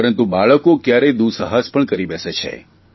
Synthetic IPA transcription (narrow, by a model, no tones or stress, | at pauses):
əɾənt̪ubaɭəkokjaɾed̪usəɦaspəɳkəɾibɛset͡ʃʰḛ